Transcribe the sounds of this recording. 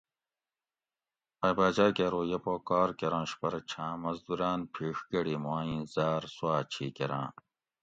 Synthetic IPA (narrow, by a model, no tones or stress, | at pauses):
ɐjbaːd͡ʑaːkeɾoːjepoːkaːɾkeɾãːɕpɐɾɐt͡ɕʰãːmɐzd̪uɾaːnpʰiːʂɡɐɽiːmaːĩːzaːɾswaːt͡ɕʰiːkeɾã̰ː